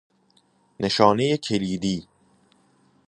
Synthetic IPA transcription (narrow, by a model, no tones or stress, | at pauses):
nʔe̞ʃɒːnejecʰe̞liːd̪iː